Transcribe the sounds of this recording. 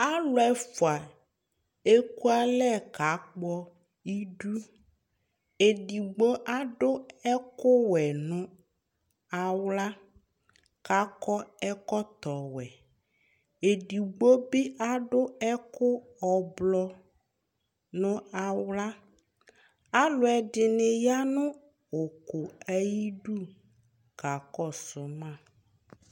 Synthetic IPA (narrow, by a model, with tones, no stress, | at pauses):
a˦lo˦ɛ˨fo˨a˨ | e˦ku˦a˦lɛ˦ka˨k͡pɔ˦ | i˦ɖu˦ | e˨ɖi˨ɡ͡bɔ˦ʔa˦ɖo˦ɛ˦ko˦wɛ˨nɔ̃˦ | a˨wla˦ | ka˨˦kɔ˦ɛ˦kɔ˦t̪ɔ˨wɛ˨ | e˨ɖi˨ɡ͡bo˦bɪ˦ʔa˦ɖʊ˦ɛ˦kʊ˦ | ɔ˨blɔ˦ | nʊ̃˦a˨wla˦ | a˦lʊ˦ɛ˨ɖɪ˨nɪ˨ja˦nʊ̃˦ | ʊ˨kʊ˨ɛ˦ji˦ɖu˦ | ka˨kɔ˦sʊ˨mã˦˨